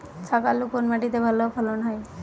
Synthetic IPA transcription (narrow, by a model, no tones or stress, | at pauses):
t͡ʃʰakalukonmaʈit̪ebʱalopʰɔlonɦaj